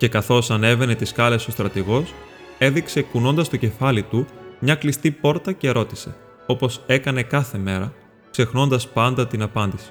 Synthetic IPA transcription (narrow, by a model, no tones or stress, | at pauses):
ce̞kɐθo̞sɐne̞ve̞ne̞t̪iskɐle̞so̞st̪ɾɐt̪iɣo̞s | e̞ðikse̞kuno̞nd̪ɐst̪o̞ce̞fɐlit̪umɲɐklist̪ipo̞ɾt̪ɐce̞ɾo̞t̪i̥se̞̰ | o̞po̞se̞kɐne̞kɐθe̞me̞ɾɐ | kse̞xno̞nd̪ɐspɐnd̪ɐt̪inɐpɐnd̪isi̥